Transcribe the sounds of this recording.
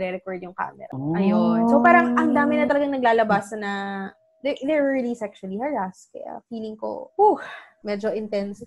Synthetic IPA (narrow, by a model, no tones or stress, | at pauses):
ɾɛɾɛkoɹd̪jʊŋka̰ːmɛ̰ɾɐ̰ʔɐjonsopaːɾɐŋʔɐŋd̪aːmɪnɐt̪ɐlɐɡɐŋnɐɡlaːlɐbaːsɐnɐ | d̪ɛd̪ɛɹɹilisɛkʃʊɐlihɐɹaskɛ̰ɐ̰fiːlɪŋko̰uhmɛd͡ʒoʔɪnt̪ɛns